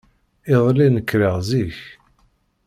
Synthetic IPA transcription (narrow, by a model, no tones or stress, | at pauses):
ɪðˤlinəkːɾəʁziç